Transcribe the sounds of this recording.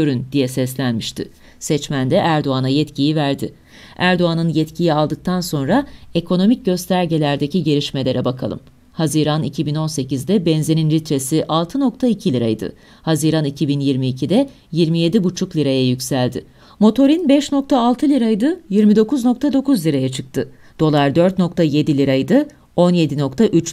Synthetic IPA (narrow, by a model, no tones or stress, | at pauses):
øɾynd̪ijɛsɛslʲænmiʃt̪ʰɪ̰ | sɛt͡ʃmænd̪ɛʔæɾd̪o̞anajɛt̪cijivæɾd̪ɪ | æɾd̪oanɯnjɛt̪cʰijialˠd̪ɯk̚t̪ʰanso̞nɾae̞kʰo̞no̞mic̚ɟø̞st̪ʰæɾɟelʲæɾd̪e̞ciɟe̞ɾiʃme̞lʲe̞ɾɛbakʰa̰lˠɯ̰m | haziɾanicʰibino̞nse̞cizd̪ɛbɛnze̞ninlʲit̪ɾe̞siʔalˠt̪ʰɯno̞k̚t̪ʰaicʰilʲiɾa̰jd̪ɯ̰ | haziɾanicʰibinjiɾmiːcʰid̪ɛ | jiɾmije̞d̪ibut͡ʃʰuklʲiɾajajykʲsælʲd̪ɪ̰ | mo̞t̪ʰo̞ɾinbɛʃno̞k̚t̪ʰaːlˠt̪ʰɯlʲiɾajd̪ɯjiɾmid̪o̞kuzno̞k̚t̪ʰad̪o̞kʰuzlʲiɾajat͡ʃʰɯk̚t̪ʰɯ | d̪̥o̞lˠaɾd̪ø̞ɾt̪no̞k̚t̪ʰaje̞d̪ilʲiɾajd̪ɯ | o̞nje̞d̪ino̞kt̪ʰaʔyt͡ʃ